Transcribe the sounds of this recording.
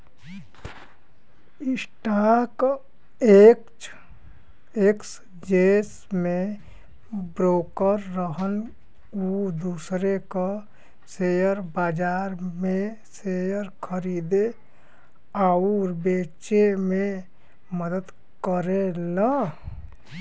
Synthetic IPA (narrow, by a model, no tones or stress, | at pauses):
ɪsʈak | ek | eks | d͡ʒes | mẽ | bɾoːkəɾːəɦən | ud̪uːsɾeka | sejəɾbaːd͡ʒaːɾmẽ | sejəɾkʰəɾiːd̪e | aʊɾbeːt͡ʃemẽ | məd̪əd̪ | kəɾena